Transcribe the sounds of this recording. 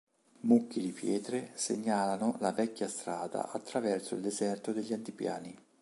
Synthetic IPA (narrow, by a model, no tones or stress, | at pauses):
mukːid̪ipjɛːt̪ɾesḛɲːaːlanolavɛkʲːjast̪ɾaːd̪a̰ʔat̪ːɾavɛrsoild̪ezɛrt̪od̪eʎːiant̪ipja̰ːni